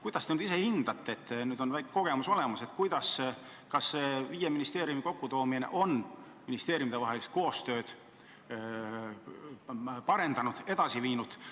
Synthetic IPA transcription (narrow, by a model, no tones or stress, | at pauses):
kujd̪̥ɑst̪enːd̪is̬e̞hind̪̥ɑt̪ːˑet̪ːnyːd̪̥o̞nvækko̞ɡ̥e̞muso̞le̞mɑse̞t̪kujd̪̥ɑs | kɑsːeviːjeminist̪e̞ːɾjumiko̞kːut̪o̞ːminḛʔo̞n | minist̪e̞ːɾjumit̪evɑɦelist̪̚ko̞ːst̪ø̞ːd̪̥ | pɑɾe̞nd̪̥ɑnud̪̥e̞d̪ɑsiviːnud̪̥